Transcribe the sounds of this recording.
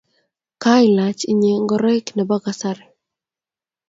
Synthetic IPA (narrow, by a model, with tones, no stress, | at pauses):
ka˦ɪla˨t͡ʃi˦ɲe˨ŋɡɔɾɛ˦knɛ˨ba˦ɡasaɾɛ˨